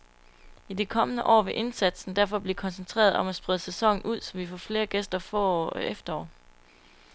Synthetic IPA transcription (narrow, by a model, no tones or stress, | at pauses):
id̥ikʰɒ̽mənəʔɒ̰ːʋe̝ʔe̝nsæd̥sn̩d̥æɐfɒ̽b̥lekʰɒ̽nsent͡sʰʁḛːɐð̞̩ˠɒ̽mæsb̥ʁɛð̞ˠəsesɒ̽ŋ̰n̩ʔuð̞̰ˠsɒ̽mʋifɒ̰ːfle̝ːɐɡ̥esd̥ɐfɒːefd̥ɐɒ̰ː